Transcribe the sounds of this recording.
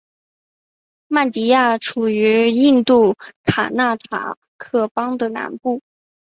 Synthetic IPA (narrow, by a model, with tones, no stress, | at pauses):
ma˥˩nt̪i˧˥ja˥˩ʈ͡ʂʰu˨˩y˧˥i˥˧nt̪u˥˩kʰa˨˩na˥˩t̪ʰa̰˨˩ | kʰɤ˥˩pɑ˥ŋd̪ə˨na̰˧˥npu˥˩